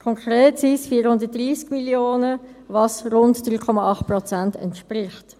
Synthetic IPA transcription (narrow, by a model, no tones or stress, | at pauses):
kʰɔŋkʰʁeːtsisfiːəɾhʊndət̚d̥riːskmiljoːnəvɑsʁʊntd̥ɾyːkʰɔmɑɑχt̚prɔt͡sæntɛ̰ntʃprɪχt